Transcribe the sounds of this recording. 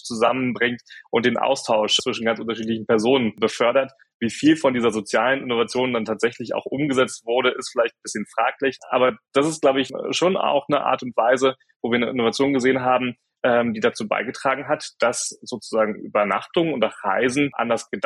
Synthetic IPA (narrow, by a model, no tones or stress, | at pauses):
t͡suzamənbʁɪŋtʔʊnt̚d̥eːnʔa̰ʊstʰaʊʃt͡sv̥ɪʃn̩ɡant͡sʔʊntɐʃ̬iːtlɪçn̩pɛɐzoːnənbəfœɐɾɐt | viːfiːlfɔndiːzɐzot͡sjaːlənʔɪnovat͡sjoːndantʰaːtz̥ɛçlɪça̰ʊxʔʊmɡəzɛt͡stv̥ʊɐɾəʔɪstfɪlaɪçtn̩b̥ɪsçənfʁ̥a̰ːklɪçʔa̰ːbɐd̥asɪstɡ̥laʊbəɪçʃoːna̰ʊxnəʔa̰ːɐtʊntv̥aɪzə | voːviːɐnəʔɪnovat͡sjoːnɡəzeːənɦaːbm̩ | ʔɛːmdiːdat͡suːba̰ɪɡətʁ̥aːɡŋ̩ɦatd̥asz̥oːt͡suzaːɡŋ̩ʔy̰ːbɐna̰χtʊŋʊntaʁa̰ɪzn̩ʔa̰ndɐsɡ̥əd